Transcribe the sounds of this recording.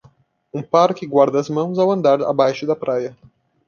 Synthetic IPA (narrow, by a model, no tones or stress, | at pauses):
ũpaɾkɪɡwaɾd̪ɐːzmɐ̃w̃zawɐ̃nd̪aɾa̰bajʃʊd̪ɐpɾʔajɐ